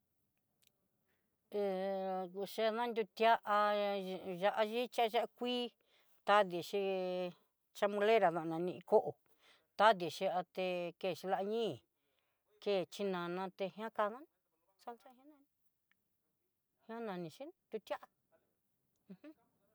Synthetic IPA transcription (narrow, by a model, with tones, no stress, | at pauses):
e˧ | ʃe˧ðã˦nd̪ʲu˧t̪ja˦ʔa˧ | ʒa˧ʔa˧ʒi˦t͡ʃʒa˦a˦˧kʷiː˦ | t̪a˦ði˨ʃi˧ | t͡ʃa˧mũ˧le˦ɾa˨ðã˧ʔnã˨˧nĩ˧ĩ˧ko˦ʔo˨ | t̪a˦ði˨ʃi˧a˧t̪e˧ke˦˧˨ʃi˧la˧ʔɲĩː˦˨ | ke˦˨t͡ʃi˧nã˨nã˧t̪e˧hj̃ã˦ka˧ðã˦n˧ | sa˦˧lt͡ʃa˦˧hj̃ã˦nã˧nĩ˧ | hã˦nã˨˧nĩ˧ʃi˦d̪u˧t̪ʲja˦ʔa˧ | hũ˦